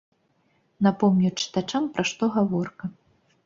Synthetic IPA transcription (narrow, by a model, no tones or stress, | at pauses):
napɔmnʲut͡ʂɨ̥t̪at͡ʂampɾʔaʂt̪ɔɣavɔrkɐ